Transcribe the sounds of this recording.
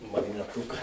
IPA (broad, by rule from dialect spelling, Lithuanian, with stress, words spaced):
mɐɡnʲɛˈtʊkɐ